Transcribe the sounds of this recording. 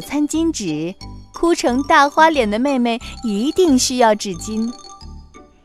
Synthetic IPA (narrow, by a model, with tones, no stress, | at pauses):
t͡sʰa˥nt͡ɕi˥nʈ͡ʂɻ̩˨˩˦kʰu˥ʈ͡ʂʰɤ˧˥ŋt̪a˥˩xwa˥ljɛ˨˩nd̪ə˦me˥˧ɪme˥˩ɪi˧˥t̪i˥˩ŋɕy˥jɑ˥˧ʊʈ͡ʂɻ̩˥˩t͡ɕi˥n